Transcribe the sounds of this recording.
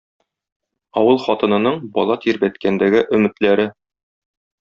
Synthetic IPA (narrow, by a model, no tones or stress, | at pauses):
ɒwɤlˠχɒt̪ɤ̆nɤ̆nɤɴbɒlˠɑt̪ʰiɾbæt̪kænd̪æɡɘʔɵ̆mɘ̆t̪læɾɘ